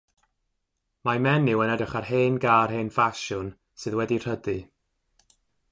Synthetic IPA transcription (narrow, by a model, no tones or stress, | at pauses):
mamɛnːɪwənɛdəχarɦeːnɡaːrɦeːnfaʃʊn | sɨðwɛdir̥ədɨ